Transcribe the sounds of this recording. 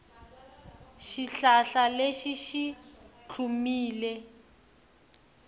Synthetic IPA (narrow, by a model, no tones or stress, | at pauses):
ʃiɬaɬaleʃiʃit͡ɬʰumiːlɛ